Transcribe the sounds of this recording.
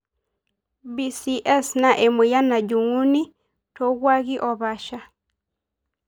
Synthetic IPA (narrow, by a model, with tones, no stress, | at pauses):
bi˨si˨ʔɛ˦sna˨ʔe˨mu˨ja˦na˨d͡ʒu˨ŋu˦ni˦ | tɔɡwaɣi˦ʔɔ˨βa˦ʃa˦